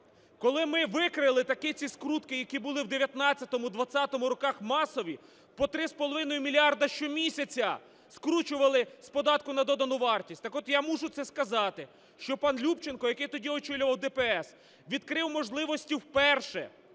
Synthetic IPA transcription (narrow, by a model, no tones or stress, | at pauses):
kɔlˠɪmɪʋɪkɾɪlˠɪt̪ɐkɪt͡sʲiskɾut̪kɪjɐkʲibʊlˠɪwd̪eʋʲjɐt̪nɑt͡sʲːɐt̪ɔmʊd̪ʋɐt͡sʲːat̪ɔmʊɾɔkɑxmɑsɔʋʲi | pɔt̪ɾɪspɔlˠɔʋɪnɔjʊmʲilʲiɑrd̪ɐʃt͡ʃɔmʲisʲɐt͡sʲɐ | skɾut͡ʃʊʋɐlˠɪspɔd̪ɑt̪kʊnɐd̪ɔd̪ɐnʊʋɑrtʲisʲtʲt̪ɐkɔt̪jamuʒʊt̪sɛskɐzɑt̪ɪ | ʃt͡ʃɔpɑnlʲupt͡ʃenkɔjɐkɪjt̪ɔdʲiɔt͡ʃɪlʲʊʋɐwd̪ɛpɛɛs | ʋʲid̪kɾɪwmɔʒlˠɪʋɔsʲtʲiwpɛrʃɛ̰